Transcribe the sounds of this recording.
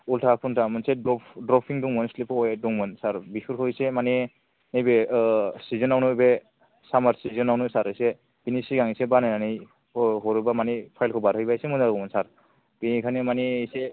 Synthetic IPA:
ultʰapʰuntʰamɯnsɛdɔpʰdɾɔpʰiŋduŋmɔnslipʰɔɛduŋmɔnsaɾbisʰuɾkʰɔisɛmani | nejbɛsizɔnawnubɛ | samaɾsizɔnawnusaɾɯjsɛ | b̥inisiɡaŋisɛbanajnanej | ɦɔɾubamanipʰajlkʰɔbaɾhɯjbajsɛmunzaɡɔmɔnsaɾ | b̥inikʰanimanisɛ

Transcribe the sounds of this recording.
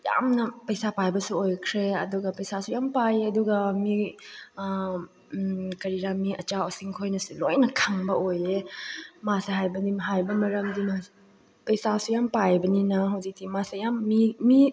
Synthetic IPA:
ja̰mnɐpɐjsapajbɐsuojkʰɾeɐduɡɐpɐjsasujampajeɐduɡɐmi | kɐɾiɾamiɐt͡ʃawɐsiŋkʰojnɐsulojnɐkʰaŋbɐojemaseɦajbɐdimɦajbɐmɐɾɐmdimɐ | pɐjsasujampajbɐninɐɦɐwzik̚dimasejamːimi

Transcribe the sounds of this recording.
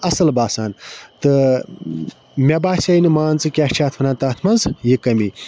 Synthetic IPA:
ɐsɨlbaːsaːnt̪ɨ | mʲebaːsʲɐjnɨmaːnt͡sɨkʲaht͡ʃʰaːt̪ʰmɐnaːnt̪ɐt̪ʰmɐnzjikɐmi

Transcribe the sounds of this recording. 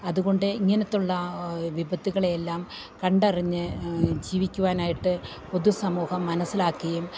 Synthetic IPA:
ɐðuɣo̞ɳɖɨiŋːɐnɐt̪ːuɭːɐʋibʱɐt̪ːiɣɐɭejelːaːm | kɐɳɖɐriɲːɨd͡ʑiːʋikʲːuʋaːnaːjiʈːɨ | po̞ðusɐmuːhɐmːɐnɐsːilaːkːiɐjum

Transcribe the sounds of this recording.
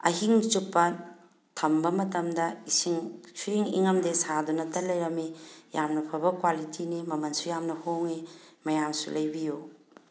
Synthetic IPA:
ɐ̰ɦiŋt͡ʃupːɐ | tʰɐmbɐmɐtɐmdɐisiŋsʰuɾiŋḭŋɐmdesadunɐtɐlɐjɾɐmijamnɐpʰɐbɐkwalitʰinimɐmɐnsujamnɐhoŋemɐjamsṵlɐjbiju

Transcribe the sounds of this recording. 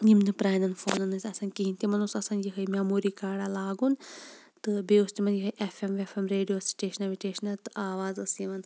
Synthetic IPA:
jimnɨpɾaːnɐnfoːnɐnɐsʲɐsɐnkiɦinʲt̪imɐnusɐsɐnjikɐjmʲaːmuːɾikaːɽalaːɡun | t̪ɨbeost̪imɐnjikɐjʔefʰemʋefʰemɾeːɖijoːsʈeːʃɐnɐʋiʈeːʃɐnɐt̪ɨʔaːʋaːzɐsjimɐn

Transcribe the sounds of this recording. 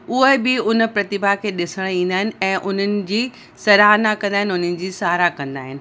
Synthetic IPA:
ʊɦebɪʊnpɾɐt̪ɪbʱakʰeːɗɪsəɽ̃ĩːnd̪aːɦɪnɪ̆ɛ̃ːʔʊn̤ənɪ̆d͡ʑiː | sɐɾaːɦnakɐ̃nd̪aːɦɪnɪʊn̤ənɪ̆d͡ʑiːsaːɾakɐ̃nd̪aːɦɪnɪ̆

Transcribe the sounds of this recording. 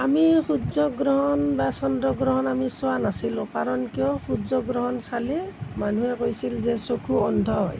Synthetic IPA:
amixuzɔɡɾɔɦɔnbasɔndɔɡɾɔɦɔnamisʊwanasilʊ̃kaɹɔnkijɔxudzɔɡɹɔɦɔnsaliman̤uɛkojsilzɛsokʰuɔndʱɔɦɔj

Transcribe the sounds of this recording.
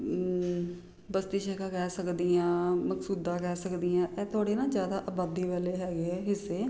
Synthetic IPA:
bəst̪iːʃɛkãːkɛːsəkd̪iːãːməksuːd̪ãːkɛːsəkd̪iːãːʔɛːt̪ʰʊaːɽeːnãːd͡ʒjaːd̪aːʔəbaːd̪iːʋɛːleːɦɛːɡeɛːɦɪsːeː

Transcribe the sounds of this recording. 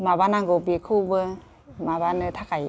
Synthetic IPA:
mabanaŋɡobikʰubɯ | mabanɯt̪ʰakaj

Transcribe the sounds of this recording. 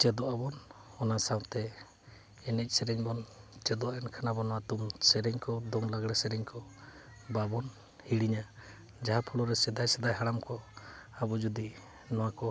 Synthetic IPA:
t͡ʃɛd̪ɔʔabɔn | ɔnasawt̪ɛ | ɛnɛc̚ˀsɛɾɛɲbɔnt͡ʃɛd̪ɔaɛnkʰanabɔnɔwat̪umsɛɾɛɲkɔd̪ɔŋlaɡɽɛsɛɾɛɲkɔ | babɔn | hiɽiɲa | d͡ʒaɦapʰɔlɔɾɛsɛd̪ajsɛd̪ajɦaɽamkɔ | abɔd͡ʒud̪i | nɔwakɔ

